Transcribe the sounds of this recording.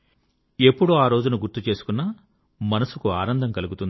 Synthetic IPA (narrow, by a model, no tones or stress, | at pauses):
e̞pːuɽuaːɾo̞ːd͡ʒunuɡuɾt̪ut͡ʃe̞ːsu̥kunːɐ | mɐnɐsukuaːnɐnd̪ʱɐmkɐluɡut̪und̪